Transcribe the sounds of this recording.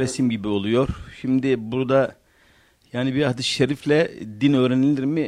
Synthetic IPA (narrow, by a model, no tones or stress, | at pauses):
ɾesimɟibio̞lˠujo̞ɾ̥ʃimd̪ɪbuɾd̪a | jaːnibiad̪ɯʃeɾiflʲɛd̪inø̞ːɾenilʲiɾmɪ